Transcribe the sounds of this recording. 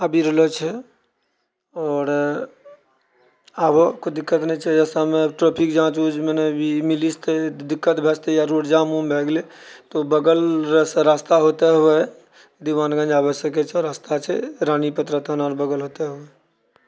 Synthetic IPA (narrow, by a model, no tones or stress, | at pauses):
əbʱiɾələt͡ʃʰɛ | ɔːɾ | abokod̪ɪkːət̪nəɦĩt͡ʃʰɛd͡ʒɛsamẽəbʈɾɔːpʰikd͡ʒãt͡ʃud͡ʒmenebʱimilist̪ed̪ɪkːət̪bʱɛst̪ejaɾoʈd͡ʒamũmbʱeɡlet̪obəɡələsɾast̪aɦot̪eɦue | d̪iʋaːnɡə̃nd͡ʒaːbəʃəket͡ʃʰɛɔɾast̪at͡ʃʰɛɾanipət̪ɾət̪ʰənaɾbəɡəlɦot̪eɦue